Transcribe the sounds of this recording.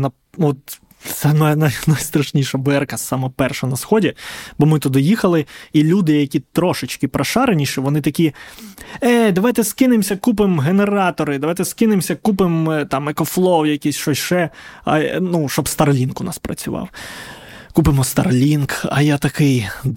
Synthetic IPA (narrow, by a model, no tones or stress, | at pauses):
nɐ | ɔt̪ | sɛmɛnajnajst̪ɾɐʃnʲiʃɐbɛrkɐsɑmɔpɛrʃɛnɐsxɔdʲibɔmɪt̪ʊd̪ɪjixɐlˠɪilʲud̪ɪjɐkʲit̪ɾɔʃɪt͡ʃkɪpɾɐʃɑɾenʲiʃɪʋɔnɪt̪ɐkʲi | ɛd̪ɐʋɑjt̪ɛskɪnɪmsʲɐkup̬ɪmɦeneɾɑt̪ɔɾɪd̪ɐʋɑjt̪ɛskɪnɪmsʲɐkupɪmt̪ɑmɛkɔflˠɔwjɐkʲisʲʃɔsʲʃɛɐ̰nuʃɔbst̪ɐrlʲinkʊnɑ̰spɾɐ̰t͡sʲʊʋɑ̰w | kupɪmɔst̪ɐ̰rlʲinkɐjat̪ɐkɪj